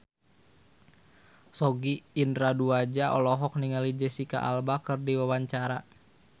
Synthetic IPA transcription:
sɔɡiːnraduad͡ʒaʔɔlɔɦɔk̚niŋalid͡ʒəsika̰ʔa̰lbakərdiwawaɲt͡ʃaɾa

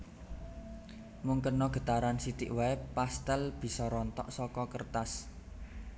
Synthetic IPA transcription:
muŋkənɔɡ̥ə̤t̪aɾansit̪iʔwaɛpast̪əlb̥i̤sɔɾɔnt̪ɔ̰ʔsɔkɔkərt̪as

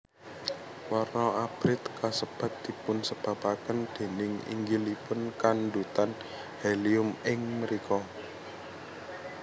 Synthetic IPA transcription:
wɔrnɔʔab̥ɾɪt̪kasəb̥a̤t̪̚d̪̥i̤pʊnsəb̥a̤pakənd̪̥e̤nɪŋḭŋɡilipʊnkandut̪an | heliʊmɪŋməɾikɔ

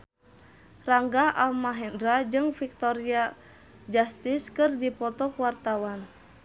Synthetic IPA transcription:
raŋɡaalmaɦɛndɾad͡ʒɨŋfik̚t̪ɔɾia | d͡ʒast̪iskɨrdipɔt̪ɔkwart̪awan

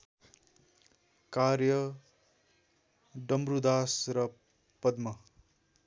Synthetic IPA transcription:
kaɾjʌ | ɖʌmbrud̪asrʌ | pʌd̪mʌ

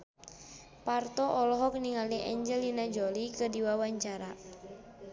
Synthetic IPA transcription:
part̪ɔʔɔlɔɦɔk̚niŋaliʔɛɲd͡ʒɛlinad͡ʒɔlikədiwawaɲt͡ʃaɾa

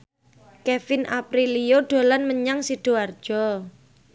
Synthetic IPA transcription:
kefɪnʔapɾilijoɖ̥o̤lanməɲaŋsiɖ̥o̤ard̥ʒ̥ɔ

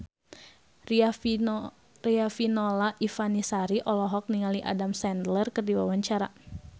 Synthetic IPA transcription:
riafinɔlaʔifanisaɾiʔɔlɔɦɔk̚niŋaliʔa̰damsɛndlərkɨrdiwawaɲt͡ʃaɾa̰

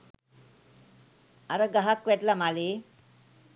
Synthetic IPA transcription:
aɾəɡaɦakʋɛʈlamaleː

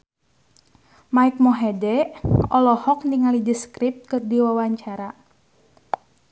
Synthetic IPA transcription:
maik̚mɔɦɛdɛɔlɔhɔkniŋalidiskɾip̚t̪̚kɨrdiwawaɲt͡ʃaɾa

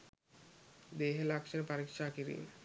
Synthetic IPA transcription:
d̪eɦelakʃenepaɾikʃakiɾḭ

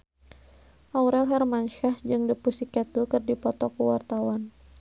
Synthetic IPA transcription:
ʔauɾɛlɦarmanʃahd͡ʒɨŋdəpusikat̪ukɨrdipɔt̪ɔkuwart̪awan

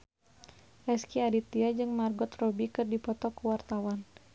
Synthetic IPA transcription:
ʔɛskiadit̪iad͡ʒɨŋmarɡɔt̪rɔbikɨrdipɔt̪ɔkuwart̪awan

